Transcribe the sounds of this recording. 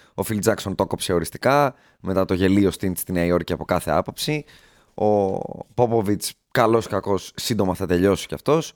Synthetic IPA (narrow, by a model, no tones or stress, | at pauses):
o̞fild͡zɐkso̞nt̪o̞ko̞pse̞o̞ɾist̪i̥kɐ | me̞t̪ɐt̪o̞ʝe̞liost̪inst̪ineɐio̞ɾciɐpo̞kɐθe̞ɐpo̞psi | o̞̰po̞po̞vit͡s | kɐlo̞skɐko̞sːind̪o̞mɐθɐt̪e̞ʎo̞si̥ceɐ̰ft̪o̞s